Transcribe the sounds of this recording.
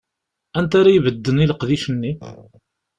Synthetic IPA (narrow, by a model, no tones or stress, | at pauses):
ænt̪aɾajvəd̪ːəniləqðiʃənːi